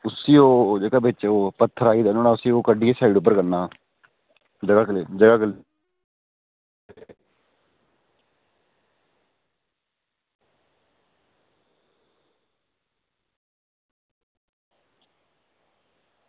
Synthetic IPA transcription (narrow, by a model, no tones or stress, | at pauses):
ʊsiːoːd͡ʒeːkaːbɪt͡ʃoːpət̪ʰːəɾaːiːd̪əːnoːnaːʊsĩːoːkəɖiːesaːiɖʊp̬ːəɾkənːaː | d͡ʒəɡaːkleːd͡ʒəɡaːkəl